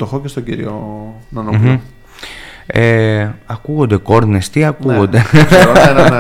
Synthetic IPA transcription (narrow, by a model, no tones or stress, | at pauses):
t̪oxocest̪oɟiɾionɐnom̩ | eɐkuɣo̞nd̪e̞ko̞ɾnest̪iɐkuɣond̪e